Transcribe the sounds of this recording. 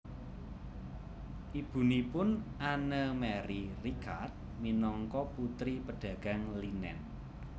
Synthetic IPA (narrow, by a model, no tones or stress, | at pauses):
ʔib̥ṳnipʊnʔanəmɛɾirikʰart̪̚minɔŋkɔput̪ɾipəɖ̥ä̤ɡ̥a̤ŋlinɛ̰n